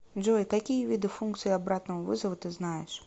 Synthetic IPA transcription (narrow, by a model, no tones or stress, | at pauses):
ʐɔjkakʲijɐvʲid̪ɨfunkt̪sɨjiabɾat̪nɐɐvɨ̰zɐvʊt̪ɨznajɛ̰ʂ